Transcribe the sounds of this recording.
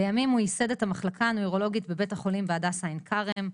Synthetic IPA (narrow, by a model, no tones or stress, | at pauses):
bejamimujise̞dethamaχlakʰanuiʁo̞lo̞ɡitbe̞be̞thaχo̞limbeadasainkʰaʁem